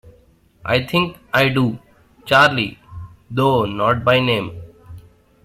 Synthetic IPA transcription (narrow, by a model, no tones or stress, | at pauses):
ʔa̰ɪt̪ʰɪ̃ŋkaɪɖuː | t͡ʃaːɾlḭd̪oːnɔːʈ̚baɪnẽːm